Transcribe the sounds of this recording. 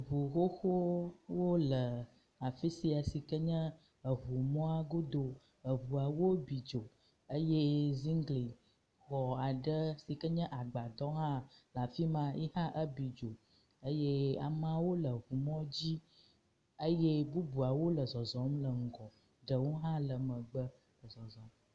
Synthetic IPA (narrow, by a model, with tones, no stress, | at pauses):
βu˨xo˦xo˦wo˦lə˨ | a˨fi˦si˨˦a˨si˨kə˦ɲə̃˦ | ə˨βu˨mɔ̃˦a˦ɡo˦d̪o˨ | ə˨βu˨a˨wo˦bi˨d͡ʒo˨ | ə˦je˦zi˦ŋɡli˨ | xɔ˨a˨ɖə˦si˨kə˦ɲə̃˦ʔa˨ɡ͡ba˨d̪ɔ˦ɦã˦la˨fi˦mã˨ji˦hã˦ʔə˦bi˨d͡ʒo˨ | ə˦je˦a̰˨mã˦wo˦lə˨βu˨mɔ̃˦d͡ʑi˦ | ə˦je˦bu˦bu˨a˨wo˦lə˨zɔ˨zɔ̃˨˦mlə˨ŋ̩˨ɡɔ̃˨ | ɖə˨wo˦ɦã˦lə˨mə̃˨ɡ͡bə˦ | lə˨zɔ˨zɔ̃˨m